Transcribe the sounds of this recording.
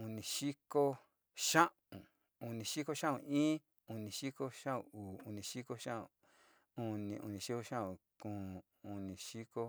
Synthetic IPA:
u˧nĩ˨ʃi˦ko˦ | ʃã˦ʔũ˨ | u˧˨nĩ˨ʃi˦ko˦ʃã˦ṵ̃˨ĩː˦ | u˧nĩ˨ʃi˦ko˦ʃã˦ṵ̃˨uː˨u˧˨nĩ˨ʃi˦ko˦ʃã˦ṵ̃˨ | u˧nĩ˧ʔṵ˧˨nĩ˨ʃi˦ko˧ʃã˦ũ˨kũː˦˨ | u˧nĩ˧ʃi˦ko˦

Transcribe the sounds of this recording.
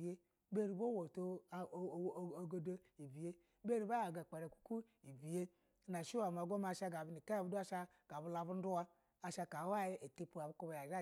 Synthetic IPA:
je˦ | be˦ɾi˨bo˦wo˨to˦˨˦ | o˨ɡo˦do˦i˨bi˨je˦ | be˦ɾi˨ba˦a˨ɡa˨k͡pa˨ɾe˨ku̥˦ku˦ | i˨bi˨je˦ | na˨ʃi˦wa˨m˨a˨ɡʷo˦ma˧˨ʃa˧ɡa˨bu˦ni˨ka˦ja˨bu˦du˦a˦ʃa˧ | ɡ̥a˨bu˧˦la˨˧bu˦n̩˦du˦wa˦ | a˨ʃa˧ka˨˦wa˦˨ji˦e˨te˦pu˨a˨bu˦ku˦ba˨ja˨d͡ʒa˦

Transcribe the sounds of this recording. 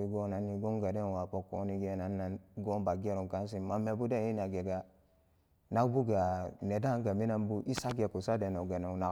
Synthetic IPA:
i˦ɡo˦na˨ni˦ɡo˦ŋɡa˨de˦n˨wa˨po˨kːo˨˦ni˦ɡe˦na˨nːa˨n˦ɡo˦mba˨ɡe˦ɾu˨ŋ˨ka˦n˦s̬i˨ma˨me˨bu˦de˦n˦i˦na˨ɡe˨ɡa˨ | na˦kbu˦ɡa˨ne˨da˦ŋɡa˨mi˦na˦mbu˦ʔi˦sa˦ɡe˨ku˨sa˦de˨no˨ɡe˨no˨na˨

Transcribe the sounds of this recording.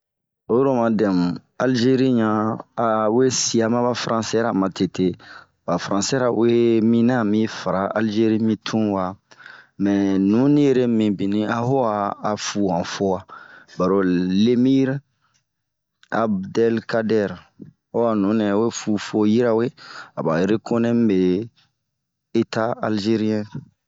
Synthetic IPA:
o˦jo˦ɾo˦mã˨dɛ̃˨mũ˨ | a˨lʒe˦ɾi˦ɲãː˦˨ | we˦si˨a˨mã˦ba˦fɾʔã˦sɛ˦ɾa˨mã˨te˨te˨ | ba˨fɾã˨sɛ˦ɾa˨ṵ˦e˦mĩ˦nã˦˨mĩ˦fa˨ɾa˨˦ʔa˦lʒe˦ɾi˦mĩ˦tʰũ˦wa˨mɛ˨nũ˨˦nĩ˦je˦ɾe˦mĩ˨bĩ˨nĩ˦a˦ɦo˦waː˨fu˨ã˨fo˦wa˦ba˨ɾo˨le˦mi˦ɾ | a˦bdɛ˦lka˦dɛ˦ɾ | o˦wa˨nũ˨˦nɛ̃˨o˦e˦fu˨fo˦ji˦ɾa˦we˦a˨ba̰˨je˦ɾe˦ko˦nɛ̃˦m˦be˨ | e˦ta˦a˦lʒe˦ɾi˦ɛ̃˦

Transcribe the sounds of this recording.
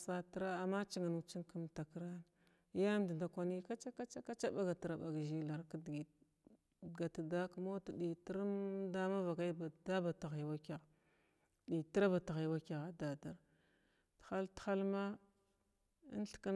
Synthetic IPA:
sa˦tɾa˦a˨mːa˦t͡ʃi˦ŋa˨nu˨t͡ʃi˦nku˦mta˨kɾa˦n˦ | ja˦m˦di˨nda˨kʷa˦ni˦ka˦t͡ʃa˦ka˦t͡ʃa˦ka˦t͡ʃa˦ba˦ɡa˨ti˨ɾa˨ba˨ɡʒi˦la˨ɾka˦dɡi˨ | ɡa˨ta˨da˦ku˦mo˦ta˨ɗi˨ti˦ɾmda˦ma˦va˨ɡa˦i˦ba˨da˦ba˨ta˨ɣi˨wa˦ka˨ | ɗi˨ti˦ɾa˦ba˨ta˨ɣi˨wa˦ka˨ɣa˨da˨da˨ɾ | txa˦ltxa˦lma˦ | ḭ˦n˦ɬka˦

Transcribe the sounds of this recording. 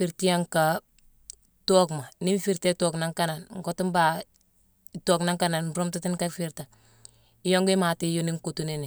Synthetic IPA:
fi˨ɾti˦ja˦ŋka˨ | to˦kma˨ni˦n˦fi˨ɾte˦to˨kna˦ŋka˦na˨nŋ̩˨kɔ˦tu˦mba˨ | to˦kna˦ŋka˦na˨nɾo˦mta˦ti˦nka˦fi˦ɾta˨ | i˦jo˦ŋɡi˦ma˨ti˦jo˦ni˦ŋko˨tu˦ni˦ni˨

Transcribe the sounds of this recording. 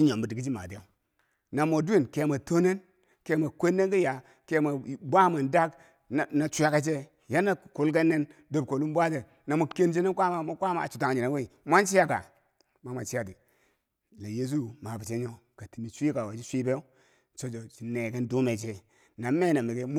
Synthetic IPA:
t͡ʃi˦ɲo˨mbu˨di˨ɡi˦d͡ʒi˦ma̰˨te˦o˦ | na˨mo˨di˦˨nke˨ma˨to˦ne˦n | ke˨ma˨kʷe˦nːe˦nki˦ja˨ | ke˨˦ma˨bʷa˦ma˨nda˦k | na˨t͡ʃʷu˦a˦ka˦t͡ʃe˦ | ja˦na˦˨ku˨lke˦nːe˦n | do˦b̚ko˨lu˦m˦bʷa˦te˨ | na˨mo˨ke˦nt͡ʃe˦ne˦nkʷa˦ma˨mo˦kʷa˦ma̰˨t͡ʃu˨ta˨ŋ˨d͡ʒi˨na˨˦we˦i˨ma˦nt͡ʃi˦ja˦ka̰˨ | ma˦ma˨t͡ʃi˦ja˦ti˨ | la˨je˦s̬u˦ma˨bi˨t͡ʃe˦ɲo˦ka˨ti˨mi˨t͡ʃʷi˦ka˨wa˨t͡ʃi˦sʷi˦be˦ | t͡ʃo˨d͡ʒo˨t͡ʃi˨ne˨ke˦ndu˦me˨t͡ʃe˦ | na˨me˦na˨mi˨ɡe˦m˦

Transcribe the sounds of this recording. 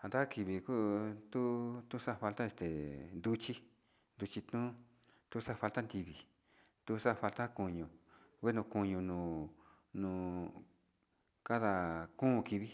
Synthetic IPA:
a˨nd̪a˦ki˧βi˨ku˦t̪u˦t̪u˦sa˦˧fa˧lt̪a˦e˧st̪e˨nd̪u˧t͡ʃi˦ | nd̪u˧t͡ʃi˧t̪nũ˦ | t̪u˦sa˦˧fa˧lt̪a˦nd̪i˧βi˨ | t̪u˦˧sa˦˧fa˧lt̪a˦ku˧ɲũ˧˨we˦nũ˧ku˧ɲũ˧nũː˧˨ | nũː˧˨ | ka˦ða˧kũ˦˧ki˧βi˦

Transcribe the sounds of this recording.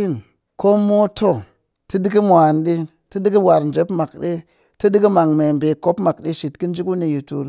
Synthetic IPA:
i˦n | ko˦mo˦to˦˨ | ti˦di˦ki˦mʷ˨a˨nɗi˦ | ti˦di˦ki˦wa˨ɾnd͡ʒe˨˦pma˨kɗi˦ | ti˦di˦ki˦ma˨ŋme˨mbe˨ko˦pma˨k̚ɗi˦ʃi˨tki˦n˦d͡ʒi˦ku˦ni˨ji˨tṵ˨l

